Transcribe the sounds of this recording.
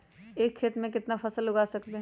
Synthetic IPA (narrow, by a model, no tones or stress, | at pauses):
eːkʰːeːt̪mẽkɪt̪nafʰɐsəlːʊɡaːsɐkt̪e